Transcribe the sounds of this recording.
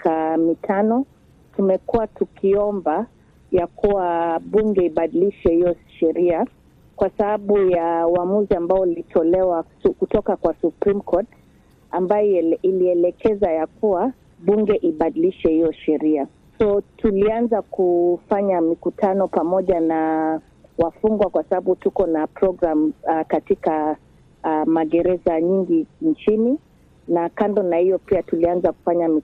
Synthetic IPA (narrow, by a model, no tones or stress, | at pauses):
kʰamitʰanɔ | tumɛkuwatukʰiɔmba | jakuwaɓuŋɡɛiɓaɗiliʃɛhijɔʃɛɾia | kwasaɓaɓujauamuziambaɔlitʰɔlɛwa | kutɔkakwasupɾimkʰɔt | ambajɔiliɛlɛkɛzajakuwa | ɓuŋɡɛʔiɓaɗiliʃɛhijɔʃɛɾia | sɔtulianzakufaɲamikutʰanɔpamɔʄana | wafuŋɡwakwasaɓaɓutukɔnapɾɔɡɾamkatika | maɠɛɾɛzaɲiŋɡiɲt͡ʃini | nakandɔnahijɔpiatulianzaku̥faɲami